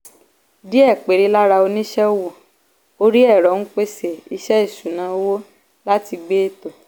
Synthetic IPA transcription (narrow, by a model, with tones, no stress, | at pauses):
di˦ɛ˦˨k͡pe˨ɾi˨˧˦la˦ɾa˧o˧nĩ˦ʃɛ˦wo˦˨ | o˧ɾi˦ɛ˦˨ɾɔ˨˦ñ̩˦k͡pe˦se˨i˧ʃɛ˦i˦˨sũ˨nã˨˦wo˦ | la˦ti˧ɡ͡be˦e˦˨to˨